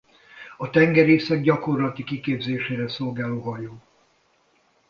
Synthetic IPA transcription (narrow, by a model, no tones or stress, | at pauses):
ɒt̪ɛŋɡɛɾeːsɛɡ̚ɟɒko̞rlɒt̪ikikeːbzeːʃeːɾɛso̞lɡaːloːɦɒjoː